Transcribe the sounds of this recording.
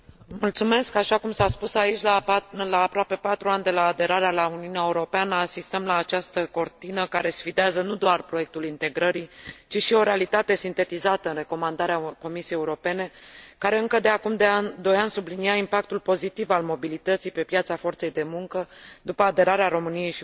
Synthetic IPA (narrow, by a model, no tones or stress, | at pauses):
mult̪sume̞skaʃakumsaspusait͡ʃʲllaːpɾoape̞pat̪ɾuanʲd̪e̞laːd̪e̞ɾaɾealauniuneaeuɾo̞peanəasist̪əmlaːt͡ʃast̪əko̞rt̪inəkaɾe̞sfid̪eazənud̪oarpɾo̞je̞k̚t̪ulint̪e̞ɡɾəɾit͡ʃiʃio̞ɾe̞alit̪at̪e̞sint̪e̞t̪izat̪əɨnre̞ko̞mand̪aɾeako̞misiejeuɾo̞pe̞ne̞kaɾe̞ɨŋkəd̪eakumd̪ead̪o̞ɾjansubliniaimpak̚t̪ulpo̞zit̪ivalmo̞bilit̪ət̪sijpe̞pjat̪safo̞rt̪se̞jd̪e̞muŋkəd̪upəad̪e̞ɾaɾeaɾo̞mɨnije̞jʃi